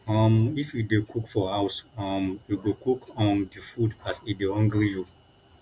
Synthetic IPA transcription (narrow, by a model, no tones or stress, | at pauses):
ɔ̃mifjidekʰukfɔhawsɔ̃mjuɡokukʰɔ̃ndifudasidehɔ̃ŋɡɾju